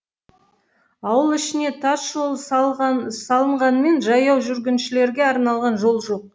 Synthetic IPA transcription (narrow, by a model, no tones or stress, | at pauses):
ɑwəlˠɪʃɪne̞t̪ʰɑsʒo̞lˠ | sɑlˠəɴʁɑnəme̞nʒɑjɑwʒʏɾɡʲɪnʃɪle̞ɾɡʲe̞ɑɾnɑlˠʁɑnʒo̞lˠʒo̞q̚